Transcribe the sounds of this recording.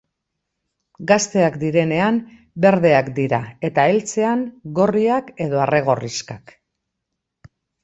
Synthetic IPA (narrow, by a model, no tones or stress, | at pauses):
ɡast̪e̞akd̪iɾe̞ne̞am | be̞ɾðe̞akd̪iɾae̞t̪ae̞lt͡se̞aŋɡo̞riake̞ðo̞are̞ɣ̞o̞riskak